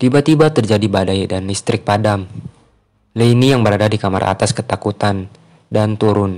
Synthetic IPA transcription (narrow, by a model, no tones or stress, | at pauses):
t̪ibat̪ibat̪ərd͡ʒadibadajdandist̪ɾɪk̚padam | ləinijaŋbəɾadadikama̰ɾa̰t̪askət̪akut̪an | dant̪uɾʊn